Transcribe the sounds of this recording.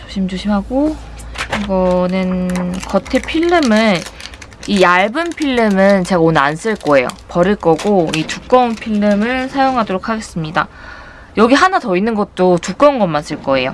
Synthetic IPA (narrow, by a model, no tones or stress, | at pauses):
t͡ɕo̥ɕʰimd͡ʑoɕʰimɦaɡo | iɡʌnɯnkʌtʰepʰiɭːɯmɯn | iaɭbɯmpʰiɭːɯmɯnt͡ɕe̞ɡaonɯans͈ɯɭk͈ʌe̞jo̰pʌɾiɭk͈ʌɡoit͡ɕuk͈ʌnpʰiɭːɯmɯɭsʰajoŋɦadoɾok̚ʰaɡe̞s͈ɯmɲida̰ | jʌɡiɦanatʌinːɯnɡʌt̚t͈ot͡ɕuk͈ʌnɡʌmːans͈ɯɭk͈ʌe̞jo̰